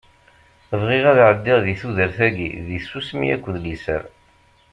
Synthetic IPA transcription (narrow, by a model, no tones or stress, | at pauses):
vʁiʁæðʕəd̪ːiʁðiθuðəɾθæɡḭðisusmḭæ̰kʷːðlisə̰ɾ